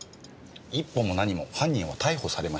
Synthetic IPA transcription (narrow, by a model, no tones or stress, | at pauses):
ipːo̞mo̞naɲ̟imo̞hãɲ̟ːĩɰ̃βat̪aiho̞saɾe̞maɕ